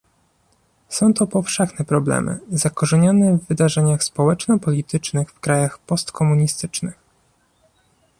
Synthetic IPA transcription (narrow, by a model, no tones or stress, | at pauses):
sɔ̃w̃t̪ɔpɔfʂɛxnɛpɾɔblɛ̰mɘ̰zakɔʐɛɲɔnɛvːɘd̪aʐɛɲaxspɔwɛt͡ʂnɔpɔlʲit̪ɘt͡ʂnɘxfkɾajaxpɔst̪kʰɔmuɲist̪ɘt͡ʂnɘx